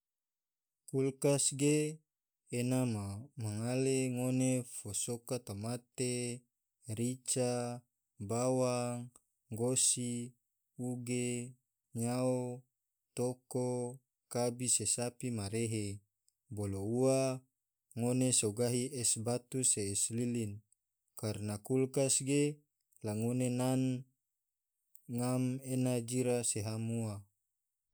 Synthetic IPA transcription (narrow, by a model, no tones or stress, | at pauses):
kulkasɡeː | nammaŋaleŋonefosokat̪amat̪e | ɾit͡ʃa | bawaŋ | ɡosi | uɡe | ɲao | t̪oko | kabisesapimaɾeɦe | boloua | ŋonesoɡaɦiʔɛsbat̪useːslilin | karnakulkasɡe | laŋonenan | ŋamenad͡ʒiɾaseɦamua